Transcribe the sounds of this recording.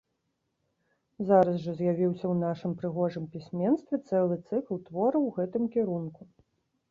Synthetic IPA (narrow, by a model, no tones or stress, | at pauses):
zaɾɐsʐɐzʲjavʲiwsʲɐwnaʂɨmpɾɨɣɔʐɨmpʲisʲmʲɛnst̪vʲɛt̪sɛlˠɨt̪sɨklˠt̪vɔɾɐwɣɛt̪ɨmkʲɛɾunku